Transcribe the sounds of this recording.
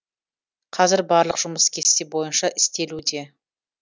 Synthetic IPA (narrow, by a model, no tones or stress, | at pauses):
qʰɑzɪɾbɑɾlˠəqʒ̥ʊməskʲʰe̞st̪ebo̞jənʃɑʔɪst̪e̞lud̪e̞